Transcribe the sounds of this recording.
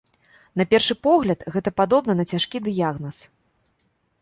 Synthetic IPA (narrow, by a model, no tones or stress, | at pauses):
n̪ɐpʲɛrʂɨpɔɣlʲɐt̪ɣɛt̪ɐpad̪ɔbnɐnɐt͡sʲaʂkʲid̪ɨjaɣnɐs